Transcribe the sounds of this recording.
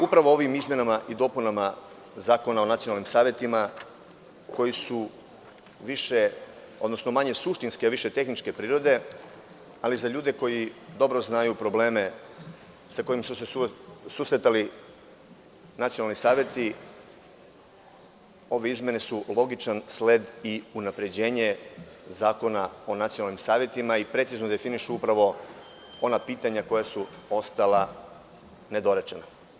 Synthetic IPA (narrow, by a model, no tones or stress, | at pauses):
upɾaʋo̞o̞ʋimizmʲje̞namaʔid̪o̞ːpunama | zaːko̞nao̞nat̪sionalnimsaːʋʲje̞t̪ima | ko̞jisu | ʋiʃe | o̞d̪no̞sno̞maɲe̞suʃt̪inskeʋiʃet̪e̞xnit͡ʃke̞pɾiːɾo̞d̪e̞ | alizaʎuːd̪e̞ko̞jid̪o̞bɾo̞znajupɾo̞ble̞ːme̞ | sako̞jimsuseususɾet̪ali | nat̪sijonalnisaːʋje̞t̪i | o̞ʋe̞izmje̞ne̞sulˠo̞ɡit͡ʃansled̪iunapɾe̞d͡ʑe̞ːɲe̞zaːko̞nao̞nat̪sijonalnimsaːʋje̞t̪imaipɾe̞t̪siznod̪e̞finiʃuupɾaʋo̞ | o̞napiːt̪aɲako̞jasuo̞st̪ala | ne̞d̪o̞ɾet͡ʃena